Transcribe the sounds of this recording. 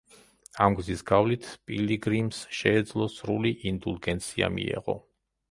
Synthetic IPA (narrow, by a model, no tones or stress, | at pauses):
amɡzisɡavlit̪ʰpʼiliɡɾimsʃɛːd̪zlˠɔsɾuliʔind̪ulˠɡɛnt̪sʰia̰mḭɛ̰ʁɔ̰